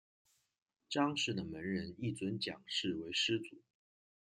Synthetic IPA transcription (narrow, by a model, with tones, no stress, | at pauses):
ʈ͡ʂɑ˥ŋʂɻ̩˥˩d̪ə˩mə˧˥nɻə˧˥ni˥˩t͡swə˧˥nt͡ɕjɑ̰˨˩ŋʂɻ̩˥˩we˧˥ɪʂɻ̩˥t͡su˨˩˦